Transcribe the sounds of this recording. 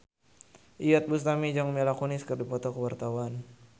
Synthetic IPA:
ʔijɔt̪̚bust̪amid͡ʒɔŋmɛlakunɪskɨrdipɔt̪ɔkəwart̪awan

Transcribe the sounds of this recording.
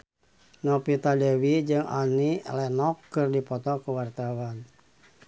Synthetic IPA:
nɔpit̪adɛwid͡ʒɨŋa̰nilɛnɔkːɨrdipɔt̪ɔkuwart̪awan

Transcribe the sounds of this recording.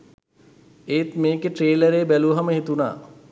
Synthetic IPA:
et̪meːkeʈɾeːləɾeːbæluəɦaməɦit̪una̰ː

